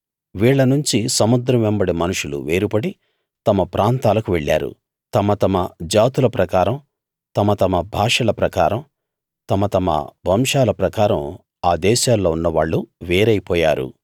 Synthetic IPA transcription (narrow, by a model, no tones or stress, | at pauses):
ʋiːɭːɐnuɲt͡ʃisɐmud̪ɾɐmɛmbɐɽimɐnuʂulṵʋeːɾupɐɽi | t̪ɐmɐpɾʔaːnt̪aːlɐkuʋeɭːa̰ːɾṵ | t̪ɐmɐt̪ɐmɐd͡ʒaːt̪ulɐpɾɐkaːɾɐm | t̪ɐmɐt̪ɐmɐbʱaːʂɐlɐpɾɐkaːɾɐm | t̪ɐmɐt̪ɐmɐ̰bʱɐmʂaːlɐpɾɐkaːɾɐm | aːd̪ɛːʃaːlːo̞ːunːɐʋaːɭːuʋeːɾɐjipɔːja̰ːɾṵ